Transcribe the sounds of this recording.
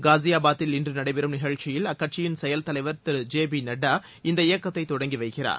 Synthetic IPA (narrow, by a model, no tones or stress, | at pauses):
ɡaːzɪjaːbaːt̪ːɪlɪndrɯnɐɽɐɪbɪɾɯmnɪɣɐɻt͡ʃɪjɪlɐkːɐʈ̚t͡ʃɪjɪnsɛjɐlt̪ɐlɐɪʋɐɾt̪ɪɾd͡ʒeːbinɐɖːaː | ɪnd̪ɐɪjɐkːɐt̪ːɐɪt̪ːɔɽɐŋɡiʋɐɪkɪra̰ːɾ